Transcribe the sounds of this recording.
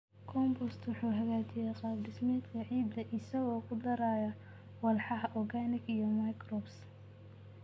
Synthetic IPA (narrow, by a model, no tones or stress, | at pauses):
kʰɔmbɔst̪wʊħuːɦɐɣaːt͡ʃɪjɛjqɑːd̪ɪsmɛːd̪kʰɐʕiːb̪d̪ɐʔɪsɐɣɔːkʰʊd̪ɐɾaːjɐ | wɐlħɑɦɐʔɔɡanɪɡijɔmajkrɔbs